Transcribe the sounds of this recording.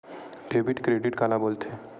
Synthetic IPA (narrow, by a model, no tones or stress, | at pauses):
ɖebʱiʈkɾeɖiʈkalabolt̪ʰe